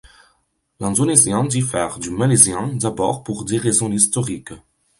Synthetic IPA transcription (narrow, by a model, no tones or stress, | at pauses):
lɛ̃nd̪onezjɛ̃d̪ifɛʁd̪ymalezjɛ̃d̪abɔ̰ʁpuʁd̪eʁezɔ̃ist̪ɔʁik